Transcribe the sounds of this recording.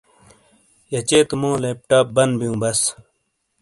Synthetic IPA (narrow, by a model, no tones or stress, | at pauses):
jɐt͡ɕeːt̪mõːlep̚ʈɐːbɐnbijũːbɐs